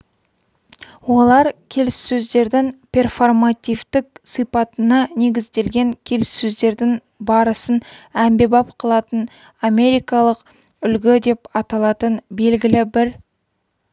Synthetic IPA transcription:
wo̞lˠɑɾkʲʰe̞lɪsːɵzd̪e̞ɾd̪ɪŋpʰʲe̞rfo̞rmat̪ʲijvt̪ɪk̚sijpɑt̪ənɑne̞ɡʲɪzd̪e̞lɡʲe̞ŋkʲʰe̞lɪsːɵzd̪e̞ɾd̪ɪŋ | bɑɾəsənæmbe̞bɑp̚qʰɑlˠɑt̪ən | ame̞ɾijkɑlˠəq | ʏlɡʲɪd̪e̞pɑt̪ɑlˠɑt̪ənbe̞lɡʲɪlɪbɪɾ

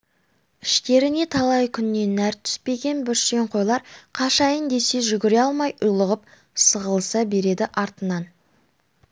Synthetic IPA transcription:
ɪʃt̪e̞ɾɪne̞t̪ʰɑlˠɑjkʲʰʏnːe̞næɾt̪ʰʏ̥spe̞ɡʲe̞nbʏɾʃe̞ɴqʰo̞jlˠɑɾqʰɑʃɑjənd̪e̞se̞ʒʏɡʲɪɾeɑlˠmɑjʔʊjlˠəʁəp̚ | səʁəlˠsɑbe̞ɾe̞d̪ɪʔɑɾt̪ənɑn

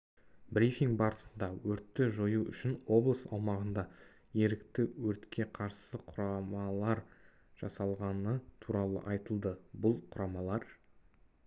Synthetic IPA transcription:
bɾifiŋɡbɑɾəsənd̪ɑwɵɾt̪ːɪʒo̞juʏ̰ʃɪnwo̞blˠəsɑ̰wmɑʁənd̪ɑ | je̞ɾɪkt̪ɪwɵɾt̪kʲʰe̞qʰɑɾsəqʰʊɾɑmɑlˠɑɾ | ʒ̥ɑsɑlˠʁɑnət̪ʰuɾɑlˠə̰ʔɑjt̪əlˠd̪əbʊlˠqʰʊɾɑmɑlˠɑɾ

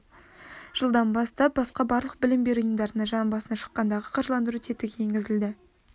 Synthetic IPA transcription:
ʒ̥əlˠd̪ɑnbɑst̪ɑp̚bɑsqɑbɑɾlˠəq̚bɪlɪmbe̞ɾʊjəmd̪ɑɾənɑɴʒɑnmbɑsənɑʃə̥qːɑnd̪ɑʁəqʰɑɾʒəlˠɑnd̪əɾut̪ʰet̪ɪkʲjeŋɡʲɪzɪld̪ɪ

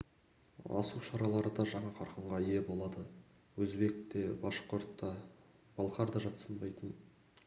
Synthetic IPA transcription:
ɑ̰suʃɑɾɑlˠɑɾəd̪ɑʒɑɴɑqʰɑɾqəɴʁɑije̞bo̞lˠɑd̪ə | wɵzbe̞k̚t̪e̞bɑʃqoɾt̪ːɑ | b̥ɑlˠqɑɾd̪ɑʒɑt̪sənbɑjt̪ən

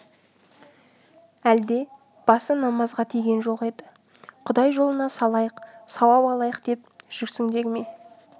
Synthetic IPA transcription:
æld̪e̞ | b̥ɑsənɑmɑzʁɑt̪ʰijɡʲenʒo̞qe̞d̪ɪ | qʰʊd̪ɑjʒo̞lˠənɑsɑlˠɑjəqsɑwɑpɑlˠɑjəqd̪e̞p̚ʒ̥ʏksɪŋd̪e̞ɡʲɪme

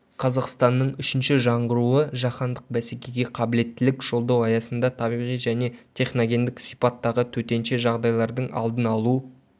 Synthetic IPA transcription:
qʰɑzɑqst̪ɑnːəɴʏʃɪnʃɪʒɑɴʁəɾuəʒɑχɑnd̪əq̚bæsekʲe̞ɡʲe̞qʰɑbɪle̞t̪ːɪlɪkʒ̥o̞lˠd̪ɑwɑjɑsənd̪ɑt̪ʰɑbijʁijʒæne̞t̪ʲʰe̞χno̞ɡʲe̞nd̪ɪksijpɑt̪ːɑʁət̪ʰɵt̪e̞nʃeʒɑʁd̪ɑjlˠɑɾd̪əɴɑ̰lˠd̪ənɑlˠu

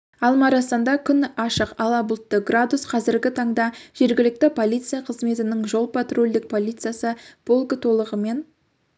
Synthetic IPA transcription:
ɑlˠmɑɾɑsɑnd̪ɑkʲʰʏnɑʃəqɑlˠɑbʊlˠt̪ːəɡrad̪usqʰɑzɪɾɡʲɪt̪ʰɑɴd̪ɑʒ̥e̞ɾɡʲɪlɪk̚t̪ɪpʰo̞lʲijt̪sɨjaqʰəzme̞t̪ɪnɪŋʒo̞lˠpʰat̪ro̞lʲd̪ɪk̚pʰo̞lʲit̪sɨjasəb̥olˠɡət̪ʰo̞lˠəʁəme̞n

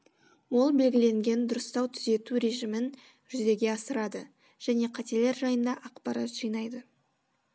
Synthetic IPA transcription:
wo̞lˠbe̞lɡʲɪle̞ŋɡʲe̞nd̪ʊɾəst̪ɑwt̪ʰʏze̞t̪uɾe̞ʒimɪn | ʒ̥ʏzd̪e̞ɡʲe̞ɑsəɾɑd̪ə | ʒ̥æne̞qʰɑt̪e̞le̞ɾʒɑjənd̪ɑʔɑqpɑɾɑ̰t̪ʒijnɑjd̪ə

